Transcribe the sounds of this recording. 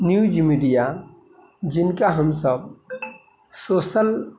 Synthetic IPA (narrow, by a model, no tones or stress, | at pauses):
njud͡ʒmiɖija | d͡ʒinkaɦəmsəb | soːsəl